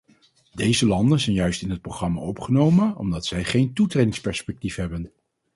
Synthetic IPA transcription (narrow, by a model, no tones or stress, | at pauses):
dejzəlɑndənzɛjnjœɥstɪnɦət̚proχrɑma̰ːɔpχənowmənɔ̰mdɑtsɛjχejntutrejdɪŋspɛɹspɛk̚tifɦɛbən